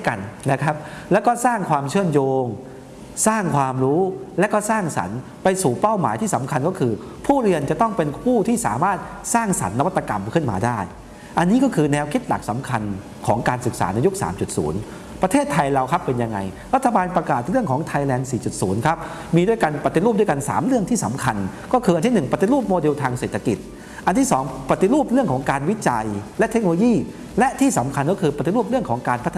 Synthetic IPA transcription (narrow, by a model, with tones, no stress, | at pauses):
ka˧nna˦˥kʰa˦˥p̚lɛ˦˥wkɔː˥˩saː˥˩ŋkʰwaː˧mt͡ɕʰɯ˥˩ənjoː˧ŋ | saː˥˩ŋkʰwaː˧mɾuː˦˥lɛː˦˥kɔː˥˩saː˥˩ŋsa̰˩˦n | pa˧jsuː˨˩pa˥˩wma̰ː˩˦jt̪ʰiː˥˩sa˩˦mkʰa˧nkɔː˥˩kʰɯː˧ | pʰuː˥˩ɾi˧ənt͡ɕa˨˩t̪ɔ˥˩ŋpe˧npʰuː˥˩t̪ʰiː˥˩sa̰ː˩˦maː˥˩t̪̚ | saː˥˩ŋsa̰˩˦nːa˧˦wa˥t̪ːa˧ka˧mkʰɯ˥˩nmaː˧daː˥˩j | ʔa˧nːiː˦˥kɔː˥˩kʰɯː˧nɛː˧wkʰi˦˥t̪̚la̰˨˩k̚sa˩˦mkʰa˧n | kʰɔ̰ː˩˦ŋkaː˧nsɯ˨˩k̚sa̰ː˩˦na˧ju˦˥k̚sa̰ː˩˦mt͡ɕu˨˩t̪̚sṵː˩˦n | pɾa˧t̪ʰeː˥˩t̪ʰːa˧jɾa˧wkʰa˦˥pːe˧nja˧ŋːa˧j | ɾa˦˥t̪ʰːa˧baː˧npɾa˧kaː˨˩t̪̚ɾɯ˥˩əŋkʰɔː˩˦ŋt̪ʰa˧jlɛː˧nsiː˨˩t͡ɕu˨˩t̪̚suː˩˦nkʰa˦˥p̚ | miː˧du˥˩jka˧npa˨˩t̪ːi˨ɾuː˥˩p̚du˥˩jka˧nsa̰ː˩˦mɾɯ˥˩əŋt̪ʰiː˥˩sa̰˩˦mkʰa˧nkɔː˥˩kʰɯː˧ʔa˧nt̪i˥˩nɯ˨˩ŋpa˨˩t̪i˨ɾuː˥˩p̚moː˧di˧wt̪ʰaː˧ŋse˨˩t̪ʰːa˧ki˨˩t̪̚ | ʔa˧nt̪ʰiː˥˩sɔː˩˦ŋpa˨˩t̪i˨ɾuː˥˩p̚ɾɯ˥˩əŋkʰɔː˩˦ŋkaː˧nwi˦˥t͡ɕa˧jlɛ˦˥ʔt̪ʰe˦˥k̚nloː˧jiː˥˩ | lɛ˦˥ʔt̪ʰiː˥˩sa˨˩˦mkʰa˧nkɔː˥˩kʰɯː˧pɾa˩t̪i˨ɾu˥˩p̚ɾɯ˥˩əŋkʰɔː˩˦ŋkaː˧npʰt̪ːʰ